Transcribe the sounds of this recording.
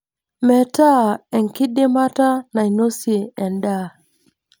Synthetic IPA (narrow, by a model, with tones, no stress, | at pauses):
mɛ˨ta˦ɛ˨ŋki˦ɗi˦ma˦ta˦na˨i˨nu˦si˨ɛ˨nda˦